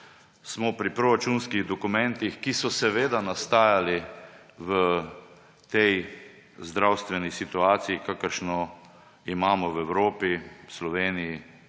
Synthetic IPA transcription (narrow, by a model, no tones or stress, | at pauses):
smɔpɾipɾɔɾat͡ʃunskiɣd̪ɔkumɛ̃nt̪ixkisɔsɛʋeːd̪anast̪aːjali | ʋə | t̪ɛj | zd̪ɾawst̪ʋɛnisit̪uaːt̪siikakəɾʃnɔ | imaːmɔwɛwɾoːpiwslɔʋeːniji